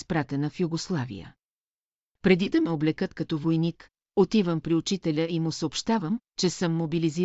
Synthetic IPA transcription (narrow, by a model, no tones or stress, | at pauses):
spɾat̪ɛnəfjuɡoslˠavḭə̰ | pɾɛd̪id̪ɐmɛoblɛkət̪kɐt̪ɔvojnik | ot̪ivəmpɾiut͡ʃit̪ɛlʲəimʊsəopʃt̪avəm | t͡ʃɛsɤmːobilizi